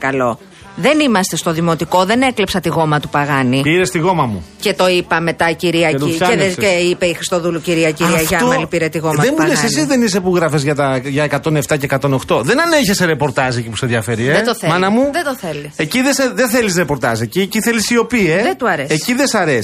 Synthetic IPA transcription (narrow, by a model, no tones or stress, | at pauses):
kɐlo̞ | ðe̞nimɐst̪e̞st̪oðimo̞t̪iko̞ðe̞neklepsɐt̪iɣo̞mɐt̪upɐɣɐnipiɾest̪iɣo̞mɐmṵce̞t̪o̞ipɐme̞t̪ɐciɾiɐieðeeipeixɾi̥st̪o̞ðuluciɾiɐciɾiɐʝɐoɐlipiɾet̪iɣomɐðemulesesizðenis̬epuɣɾɐfezʝɐt̪ɐʝɐekɐt̪o̞ne̞ft̪ɐceːkɐt̪o̞no̞xt̪o̞ðe̞nɐneçeseɾepo̞ɾt̪ɐzecipu̥seðjɐfe̞ɾieet̪oθmɐnɐmuðet̪oθelieciðeseðeθelisɾepo̞ɾt̪ɐseciciθelisio̞pieðet̪uɐɾesːciðesɐɾes